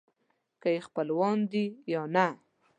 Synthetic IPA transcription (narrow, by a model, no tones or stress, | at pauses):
kajexpəlwɑnd̪ijɑna